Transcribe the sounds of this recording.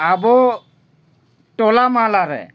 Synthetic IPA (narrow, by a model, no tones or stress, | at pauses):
abɔ | tɔlamalaɾɛ̰